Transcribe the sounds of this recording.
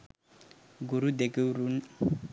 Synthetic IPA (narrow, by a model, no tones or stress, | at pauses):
ɡuɾud̪ekeuɾun